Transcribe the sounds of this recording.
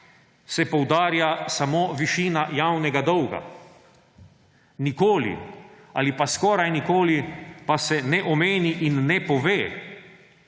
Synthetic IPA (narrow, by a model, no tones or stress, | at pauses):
sɛpɔwd̪aːɾjasamoːʋiʃiːnajawnɛɡad̪ɔwɡa̰ | nikoːlḭ | a̰lipaskɔːɾajnikoːlipasɛnɛʔɔmeːniʔinːɛpɔʋeː